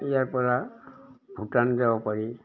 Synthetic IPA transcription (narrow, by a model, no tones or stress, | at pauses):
ijaɹpɔɹa | bʱutanzabɔpaɹi